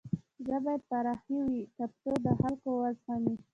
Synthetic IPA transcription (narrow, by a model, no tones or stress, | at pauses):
zəbɑjad̪̚paɾɑxiwikapt̪od̪əhalkowazxɑni